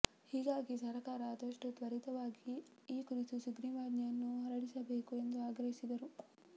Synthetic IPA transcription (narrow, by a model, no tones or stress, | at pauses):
hiːɡaːɡisɐɾɐkaːɾɐːd̪ɐʂʈut̪ʋɐɾit̪ɐʋaːɡi | iːkuɾit̪usuɡniʋaːd̪nɐɐnːuɦɐɾɐɽisɐbeːkue̞nd̪uaːɡɾɐɦisid̪ɐɾu